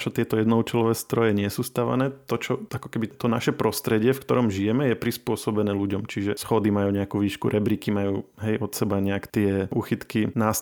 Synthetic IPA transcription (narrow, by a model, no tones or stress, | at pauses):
t͡ʃɔt̪ɪɛt̪ɔjɛd̪nɔut͡ʃɛlɔʋɛːst̪ɾɔjɛɲɪɛsuːst̪aʋa̰nɛːt̪ɔt͡ʃɔakɔkɛbit̪ɔnaʃɛpɾɔst̪ɾɛɟɪɛfkt̪ɔɾɔmʒijɛmɛjɛpɾispʊɔsɔbɛnɛːluɟɔmt͡ʃiʒɛsxɔd̪imajuːɲɛakuːʋiːʃkṵɾʔɛbɾikimajuːɦɛjʔɔt̪sɛbaɲɛakt̪ɪɛʔuːxit̪kinas